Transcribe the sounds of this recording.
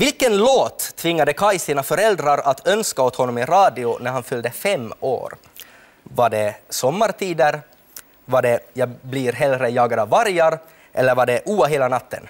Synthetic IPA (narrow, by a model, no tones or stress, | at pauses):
vɪlkənloːt̪ʰːvɪŋːad̪əkʰajsiːnafœɾɛld̪ɾaɾat̪ʰœnskaɔt̪hɔnːɔmɪɾɑːd̪ɪʊnæɾhanfʏld̪əfɛmːo̰ːɾ | vaɖɛsɔmːaɾʈ̪ʰiːd̪əɾ | vaɖɛjaːblɪɾɦɛlɾəjɑːɡad̪aːaɾjaɾ | ʔɛlːəɾvaɖɛʔuːaɦeːlanat̪ʰːə̰n